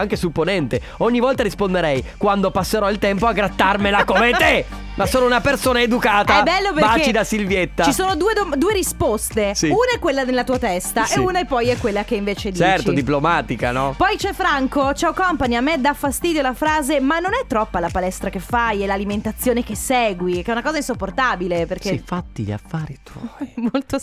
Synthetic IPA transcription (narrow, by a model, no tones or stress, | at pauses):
aŋkesupːonɛnt̪e | oɲːivɔlt̪aɾispond̪eɾɛjkwand̪opasːeɾɔilt̪ɛmpoaɡɾat̪ːarmelakomet̪e | masoːnounapersoːnaed̪ukaːt̪aɛbːɛlːopeat͡ʃːt͡ʃid̪asilvjet̪ːat͡ʃisoːnod̪uːed̪omd̪uːeɾispost̪esiunaɛkːwelːanelːat̪uːat̪ɛst̪aʔeunaepːɔjɛkːwelːakeiɱveːt͡ʃed̪t͡ʃiɛrtiod̪iplomaːt̪ika̰nɔpɔjt͡ʃɛfːɾaŋkot͡ʃawkɔmpaɲamːed̪afːast̪iːd̪jolafɾaːzemanːonɛt̪ːɾɔpːalapalɛst̪ɾak̟efːajɛlaliment̪at̪sːjoːnek̟esɛːɡwikɛunakɔːzainsopːort̪aːbileperkkeifat̪ːilḛa̰fːaːɾit̪umolt̪o